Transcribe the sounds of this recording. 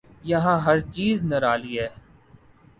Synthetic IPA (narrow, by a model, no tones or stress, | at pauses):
jɐɦãːɦɐɾt͡ʃiːznɐɾaːliɦɛː